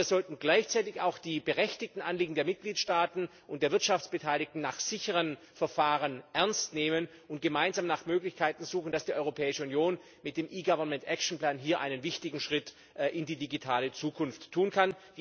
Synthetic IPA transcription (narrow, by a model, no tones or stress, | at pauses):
ɐzɔltn̩ɡlaɪçt͡saɪtɪça̰ʊxd̥iːbəʁɛçtɪç̚tn̩ʔanliːɡŋ̩deːɐmɪt̚ɡ̥liːtʃtaːtn̩ʔʊntd̥eːɐvɪɐtʃaft͡sb̥ətʰaɪlɪk̚tn̩naːχz̥ɪçəʁən | fɛɐfaːʁənʔɛɐnstneːmən | ʔʊnt̚ɡ̥əmaɪnzaːmnaːχmøːklɪçkʰaɪtn̩zuːxn̩d̥asd̥iːʔɔʏʁopʰɛːɪʃəunjoːn | mɪt̚d̥eːmʔiːɡavɐnmɛntʔɛkʃn̩pl̥aːnɦiːɐʔa̰ɪnənvɪçtɪɡŋ̩ʃʁ̥ɪt | ʔʔɪndiːdiɡitʰaːlət͡suːkʰʊnftʰːuːnkʰand̥